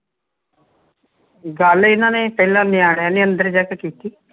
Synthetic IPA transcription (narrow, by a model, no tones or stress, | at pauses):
ɡəlɪnãːneːpɛːlãːnɪaːɽaːneːənd̪əɾd͡ʒɛkkiːt̪iː